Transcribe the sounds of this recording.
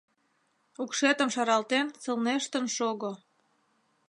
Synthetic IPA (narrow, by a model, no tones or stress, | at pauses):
ukʃet̪ə̆mʃɑɾɑlt̪ent͡sə̆lneʃt̪ə̆nʃoɣo